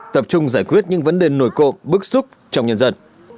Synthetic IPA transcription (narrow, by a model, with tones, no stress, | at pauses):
t̪ə˨˩p̚t͡ɕʊ˧ŋ͡mzaː˧˩jkwi˦˥ət̚ɲɨ̰˧˥ŋvə˨˦nɗe˨˩no˧˩jko̰˧˨mɓɨ˦˥k̚sʊ˦˥k͡p̚t͡ɕɔ˧wŋ͡mɲə˧nzə˧˩n